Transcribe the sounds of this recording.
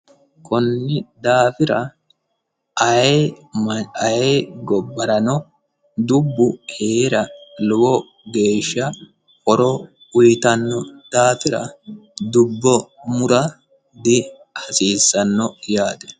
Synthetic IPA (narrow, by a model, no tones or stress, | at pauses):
kʊnːɪd̪aːfɪɾɐ | ɐe | mɐjeːɡɔbːɐɾɐnɔ | d̪ʊbːʊheːɾɐlʊɡɔ | ɡe̞ːʃːɐ | kɔɾɔ | ʊjt̪ɐnːɔd̪̥aːfɪɾɐ̰d̪ʊbːɔmʊɾɐ | d̪ɪ | hɐsiːsːɐnːɔjaːd̪ɛ̥